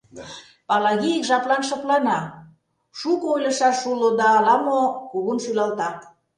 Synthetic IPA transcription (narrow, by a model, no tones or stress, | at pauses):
pɑlɑɣiikʒɑplɑnʃɤ̆plɑnɑ | ʃukoojlə̆ʃɑʃulod̪ɑːlɑmokuɣunʃylɑlt̪ɑ